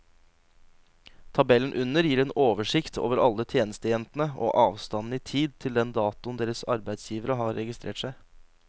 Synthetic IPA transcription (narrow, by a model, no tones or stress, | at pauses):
t̪ʰɑbɛlən̩ʔʉnəɾjiːɾeːnoːʋəʂɪkt̪ʰo̰ːʋəɾɑlːət̪ʰjeːnəst̪əjɛnt̪n̩əʔo̰ːʔɑːʋst̪ɑnn̩iːt̪ʰiːd̪̚t̪ʰɪld̪ɛnd̪ɑːt̪ʊnd̪eːɾəsɑɾbæɪd̪sjiːʋəɾəɦɑɾːɛɡɪst̪ɾʔeːʈʂæɪ